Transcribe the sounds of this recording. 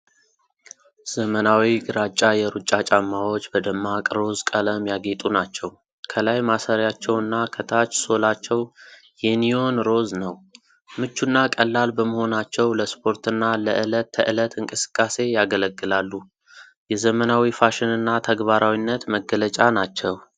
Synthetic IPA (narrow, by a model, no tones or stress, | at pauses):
z̥əmənawiɡɨɾat͡ʃʼːajɛɾut͡ʃʼːat͡ʃʼamːawo̞t͡ʃːbəd̪əmːakʼɾo̞zkʼələmjaɡe̞t̪ʼunat͡ʃːɛw | kʰəlajmasəɾjat͡ʃːɛwɨnːakʰət̪ʰat͡ʃːso̞lat͡ʃːɛw | jɛnijo̞nɾo̞znəw | mɨt͡ʃːunːakʼəlːalbəməho̞nat͡ʃːɛwləspʰo̞ɾt̪ɨnːaləʔɨlət̪ːʰə̰ʔɨlət̪ʰɨŋkʼɨsɨ̥kʼːase̞jaɡələɡːɨlalːu | jɛzəmənawifaʃɪnɨnːat̪ʰəɡbaɾawinːət̪məɡːələt͡ʃʼanat͡ʃːɛw